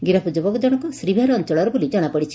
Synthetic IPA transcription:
ɡiɾapud͡ʒɔbɔkɔd͡ʒɔɽ̃ɔkɔsɾibʱaɾɔnt͡ʃɔɭɔɾɔbulid͡ʒɔɽ̃apɔɽit͡ʃʰi̥

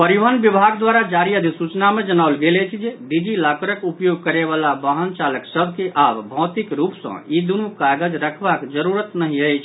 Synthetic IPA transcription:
pəɾiʋanbibʱaɡd̪waɾad͡ʒaɾiəd̪ʱiksut͡ʃnamed͡ʒənaʊlɡelɛt͡ʃʰd͡ʒeɖ̪id͡ʒilakɾəkupjoɡ̚kəɾeβalabaɦənt͡ʃaləksəbʱkeʔabbʱɔ̃ːt̪ikɾupsə̰̃id̪unukaɡəd͡ʒɾəkʰbakd͡ʒəɾuɾət̪nəɦiəjt͡ʃʰ

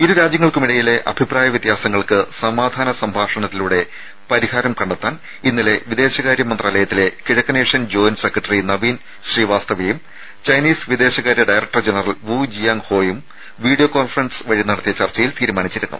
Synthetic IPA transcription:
iɾuɾaːd͡ʑjɐŋːɐɭkumiɽɐjile̞ʔɐ̰bʱipraːjɐʋjɐt̪jaːsɐŋːɐɭkɨsɐmaːd̪ʱaːnɐsɐmbʱaːʂɐɳɐt̪ːiluɽe̞ | pɐɾiɦaːɾɐmkɐɳɖɐt̪ːaːn | inːile̞ʋid̪e̞ːɕɐɣaːɾjɐmɐnd̪raːlɐjɐt̪ːile̞kiɻɐkːɐneːʂjɐnd͡ʑo̞ːnsekrɐʈːɐrinɐʋiːn | ɕriːʋaːst̪ɐʋijum | t͡ɕɐjniːsʋid̪e̞ːɕɐɣaːɾjɐɖɐjrɐk̚ʈɐrd͡ʑenɐrɐlʋud͡ʑijaːŋho̞ːjum | ʋiːɽijokoːnfɐrɐnsʋɐɻinːɐɽɐt̪ːijɐt͡ɕɐrt͡ɕɐjilt̪iːɾumaːnit͡ɕːiɾunːṵ

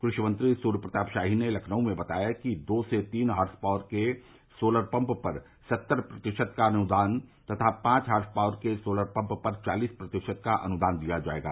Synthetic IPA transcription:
kɾʊʃjəmə̃nt̪ɾisuːɾəpɾət̪aːpʃaːɦinelɐkʰnəõmẽbɐt̪a̰ːjakid̪oːset̪iːnɦaːɾspaːʋəɾke | soːləɾpə̃mppɐɾ | sɐt̪ːəɾpɾɐt̪ɪʃəd̪kanʊd̪aːnt̪ɐt̪ʰapãːt͡ʃɦaːɾspaːʋɾkesoːləɾpɐ̃mppɐɾt͡ʃaːliːspɾɐt̪ɪʃəd̪̚kaʔɐnʊd̪aːnd̪ijad͡ʒa̰ːḛːɡa̰ː

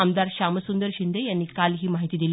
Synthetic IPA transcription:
amd̪aɾɕaməsund̪əɾɕind̪əjanːiːkalɦiːmaɦit̪iːd̪il

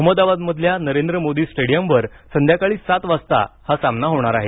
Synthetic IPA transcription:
əɦməd̪aʋad̪məd̪ʱljanəɾend̪ɾəmod̪iːsʈeɽijəmʋəɾ | sənd̪ʱjakaɭiːsat̪ʋast̪a̰hasamnaɦoɽ̃aɾaɦe

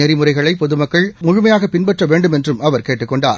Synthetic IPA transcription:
ɛɾɪmɯrɐɪɣɐɭɐɪpɔðɯmɐkːɐɭmʊɻʊmɐjaːɣɐpɪnbɛʈrɐʋeːɳɖɯmɛndrɯmɐʋɐɾkeːʈːɯkːɔɳɖa̰ːɾ

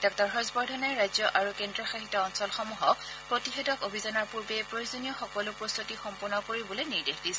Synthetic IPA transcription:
d̥ɔk̚tɔɹɦɔzbɔɹdʱɔnɛɹajzjɔʔaɹukendɹiɔxaxitɔɔnsɔlxɔmuɦɔk | pɹotixɛtɔkobʱizɔnaɹpuɹbɛpɹojozonijɔxɔkɔlʊpɹost̪ʰutixɔmpuɹnɔkoɹibɔloniɹdexdisɛ̥

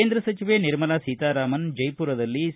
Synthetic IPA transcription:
eːnd̪ɾɐsɐt͡ʃiʋeːnɪɾmɐlaːsiːt̪aːɾaːmɐnd͡ʒɐjpuːɾɐðɐlːi

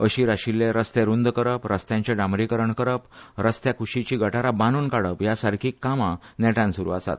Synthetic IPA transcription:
əɕiːɾaɕilːeɾəst̪eɾund̪kəɾəpɾəst̪jãɲt͡ɕeɖamɾikəɾəɳkəɾəpɾəst̪jakʰuɕit͡ɕiːɡʱəʈaɾabanuːnkaɽəpjasaɾkʰiːkːamanɛʈãnsuɾṵːasa̰t̪

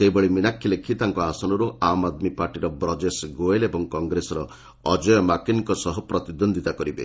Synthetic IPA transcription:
sebɔɭiminakʰːilekʰit̪aŋkɔasɔnɔɾuʔamad̪mipaɾʈiɾɔbɾɔd͡ʒesɡoelebɔŋkɔŋɡɾesɔɾɔ | ɔd͡ʒɔjɔmakinkɔsɔɦɔpɾɔt̪id̪ɔnd̪ʱit̪akɔɾibḛ

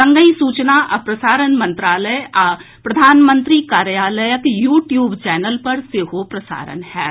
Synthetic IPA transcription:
sɐ̃ŋɡəĩsuːt͡ʃnaʔɐpɾɐsaːɾənmɐ̃nt̪ɾaːləja | pɾɐd̪ʱaːnmə̃nt̪ɾiːkaːɾjaːləjəkjuːʈjuːbt͡ʃɛːnəlpɐɾseɦopɾɐsa̰ːɾə̰nhɛː

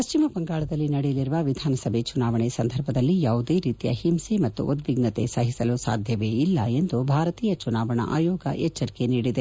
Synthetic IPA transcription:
pɐʃt͡ʃimɐbɐŋɡaːɭɐd̪ɐlːinɐɽejɐliɾuʋɐʋid̪ʱaːnɐsɐbʱet͡ʃunaːʋɐɳesɐnd̪ʱɐɾbʱɐd̪ɐlːijaːʋud̪eːɾiːt̪ijɐ̰himsemɐt̪ːṵʔut̪ʋiɡnɐt̪esɐɦisɐlusa̰ːd̪ʱjɐʋeilːɐe̞nd̪ubʱaːɾɐt̪iːjɐt͡ʃunaːʋɐɳɐ̰ʔa̰ːjoːɡɐ̰ʔɛt͡ʃːɐɾikeniːɽid̪e

